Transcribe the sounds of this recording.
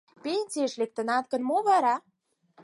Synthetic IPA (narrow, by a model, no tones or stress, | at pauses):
penʲt͡sieʃlek̚t̪ə̆nɑt̪̚kə̆nmoβɑɾɑ